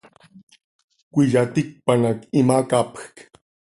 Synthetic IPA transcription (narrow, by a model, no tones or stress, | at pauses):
kʷɪʎat̪ɪk̚panakɪmakapk